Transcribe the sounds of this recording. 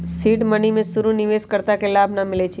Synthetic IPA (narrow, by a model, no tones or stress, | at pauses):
siːʈmənimẽsuɾunɪʋeskəɾt̪akelabʱnamɪlet͡ʃʰ